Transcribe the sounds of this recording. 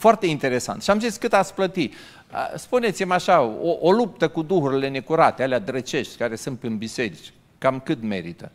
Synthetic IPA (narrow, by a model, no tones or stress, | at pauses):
foart̪e̞int̪e̞ɾe̞sa̰nt̪ʃiamziskɨt̪at̪splət̪i | ə̰spune̞t̪simaʃaoʔolup̚t̪əkud̪uhuɾile̞ne̞kuɾat̪ealead̪ɾət͡ʃe̞ʃt̪ʲkaɾe̞sɨnt̪ɨnbise̞ɾit͡ʃ | kamkɨt̪me̞̰ɾit̪ə